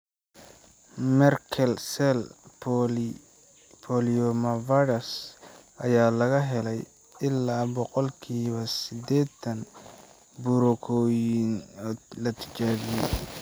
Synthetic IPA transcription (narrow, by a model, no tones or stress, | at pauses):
mɛrkʰɛlsɛl | pʰɔliɔmɐvɐɾɐsʔɐjaːlɐɣɐɦɛlɛj | ɪlːaːbɔqɔlkʰiːβɐsɪd̪ɛːd̪ɐn | bʊɾʊkʰɔːjɪnlɐt̪ʰɪ̥t͡ʃaːβɪjɛ